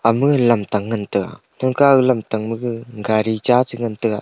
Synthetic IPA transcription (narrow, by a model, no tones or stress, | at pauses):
ʔamɯklamt̪aŋːant̪ɯk̚a̰ | n̥ɔŋkaɯklamt̪aŋmɯk̚ŋɡaɾit͡ʃat͡sɯŋant̪ɯk̚a̰